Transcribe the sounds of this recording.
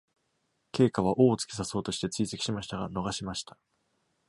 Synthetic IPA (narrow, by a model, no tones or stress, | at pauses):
ke̞ːkaβ̞aʔo̞ːt͡sɨ̥kʲe̥saso̞ːt̪o̞ɕi̥t̪e̞t͡sɨiːse̞kʲi̥ɕimaɕi̥t̪aɡano̞ɡaɕimaɕi̥t̪ḁ